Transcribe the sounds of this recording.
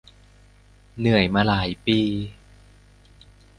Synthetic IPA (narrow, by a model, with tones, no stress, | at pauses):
nɯ˨˩əjmaː˧laː˩˦jpiː˧